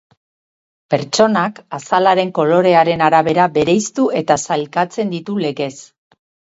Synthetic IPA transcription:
pe̞ɾt͡ʃo̞nakasalaɾe̞ŋko̞lo̞ɾe̞aɾe̞naɾaβe̞ɾabe̞ɾejst̪uʔe̞t̪asalkat͡se̞nd̪it̪ule̞ɣe̞s

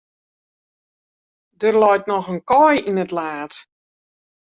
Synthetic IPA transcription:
dərlɔjtnɔxənkɔjinətlaːt

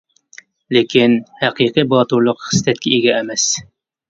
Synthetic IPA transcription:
lekʲinhæqʰiqɨbɑt̪uɾlˠʊqχɨ̥st̪ɛt̪̚kʲʰɛeɡʲɛːmɛs

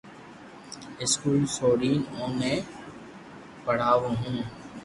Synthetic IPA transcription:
ɪskuːlsoːɽiːnõːmẽː | pəɽ̤aːʋõːɦũː

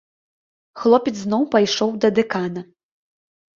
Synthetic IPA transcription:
xlˠɔpʲɛt̪sznɔwpajʂɔwd̪ɐd̪ɛkanɐ

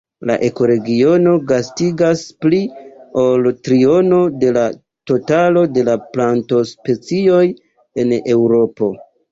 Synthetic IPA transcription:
la̰ʔe̞ko̞ɾe̞ɡio̞no̞ɡastiɡasplioltɾio̞no̞de̞la | to̞talo̞de̞laplanto̞spe̞t͡sio̞j | e̞ne̞wɾo̞po̞

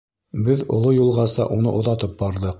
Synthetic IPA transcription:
bɘðŏ̰lˠojulˠʁɑsɑ̰ʔunɤ̰ʔŏðɑt̪ɤp̚bɑɾðɤq

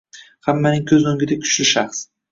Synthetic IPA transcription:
hamːanɪŋkʲʰɵzoŋɡʲɪd̪akʲʰʊ̥ʃlɪʃaχs

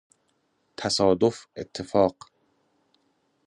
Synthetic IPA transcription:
t̪ʰæsɒːd̪ofet̪ʰːefɒːq

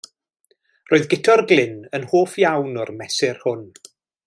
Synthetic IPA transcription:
roːɨðɡɪtʰɔrɡlˠɪnənhoːfjawnɔrmɛsɪrhʊn

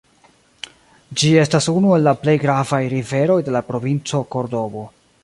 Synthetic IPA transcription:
d͡ʒie̞stasunue̞lːaple̞jɡɾavajɾive̞ɾo̞jde̞lapɾo̞vint͡so̞ko̞ɾdo̞bo̞

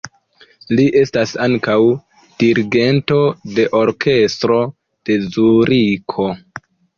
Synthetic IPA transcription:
liʔe̞stasaŋkaw | d̥iɾiɡe̞nto̞de̞ʔo̞ɾkʰe̞stɾo̞ | d̥e̞zuɾikʰo̞

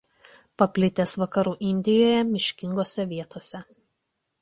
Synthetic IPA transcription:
pɐpʲlʲɪt̪ʲeːsʋɐkɐɾuːʔɪnʲd̪ʲɪjoːjɛmʲɪʃʲkʲɪŋɡoːsʲɛʋʲiɛt̪oːsʲɛ

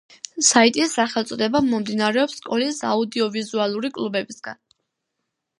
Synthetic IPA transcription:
sait̪ʼisːaχɛlˠt̪sʼɔd̪ɛbamːɔmd̪inaɾɛɔpskʼɔlisa̰ud̪iɔvizualˠuɾikʼlubɛbisɡ̥a̰n

